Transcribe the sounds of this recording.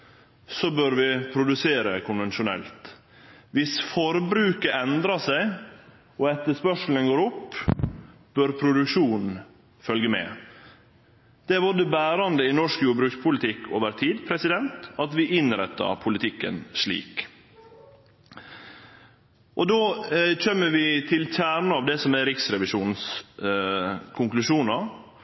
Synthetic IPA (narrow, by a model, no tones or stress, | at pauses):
sɔbøɾʋɪpʰɾʊd̪ʉseːɾəkʰʊnʋɛnʃʊnɛ̰lt̪ | ʋɪsfɔɾbɾʉːkəɛnd̪ɾɑsæɪ | ɔɛt̪ːəʂpœʂl̩ənɡoːɾɔpː | b̥œɾpʰɾʊd̪ʉkʃuːnn̩ | fœlɡəmɛ̰ | d̪̥ɛʋʊd̪əbæːɾɑnd̪əɪnɔʂkjuːbɾʉːkspʰʊlɪt̪ʰɪkːʰo̰ːʋəɾt̪ʰiːd̪pʰɾɛsɪd̪ɛnt̪ɑt̪ʋɪʔɪnɾɛt̪ːɑ̰ɾpʰʊlɪt̪ʰɪkːə̰nʂɭḭːk | ʔɔd̪oːc͡çɛmːəʋɪt̪ʰɪlçæːɾɳəɑʋd̪ɛsɔmæɾɪksɾɛʋɪʃuːns | kʰʊŋklʉʂuːnɑɾ